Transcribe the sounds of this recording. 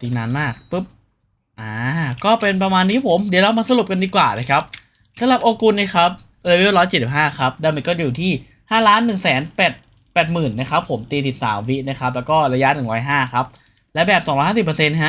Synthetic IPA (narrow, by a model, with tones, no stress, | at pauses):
t̪iː˧naː˧nmaː˥˩k̚pɯ˦˥p̚ | ʔaː˧˩kɔː˥˩pe˧np̬ɾa˧maː˧nːiː˦˥pʰo˨˩˦mdi˩˦wla˧wmaː˧sa˧ɾu˨˩p̚ka˧ndiː˧kwaː˨˩naː˧˩kʰa˦˥p̚ | sa˨˦mla˨˩p̚ʔoː˧ku˧nːiː˦˥˩kʰa˦˥p̚ | ʔeː˧wi˦˥ɾɔː˦˥jt͡ɕi˨˩si˨˩p̚ɦaː˥˩kʰa˦˥p̚daː˧mi˧˩kɔː˥˩juː˨˩t̪ʰiː˥˩ | haː˥˩laː˦˥nːɯ˨˩ŋsɛː˩˦npɛː˨˩t̪̚ | pɛː˨˩t̪̚mɯː˨˩nːa˦˥kʰa˦˥pʰːo˩˦mt̪iː˧t̪i˨˩t̪̚sa̰ː˩˦mwi˦˥ʔna˦˥˩kʰa˦˥p̚lɛː˦˥wkɔː˥˩ɾa˧ja˦˥nɯ˨˩ŋɾɔː˦˥jɦaː˥˩kʰa˦˥p̚ | lɛ˦˥bɛː˨˩p̚sɔː˨˩˦ŋɾɔː˦˥haː˥˩si˨˩pːə˧se˧nɦa˦˥ʔ